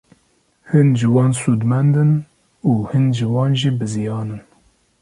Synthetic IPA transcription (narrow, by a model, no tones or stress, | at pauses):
hɨnʒɨwɑːnsuːd̪mɛnd̪ɨn | uːhɨnʒɨwɑːnʒiːbɨzijɑːnɨn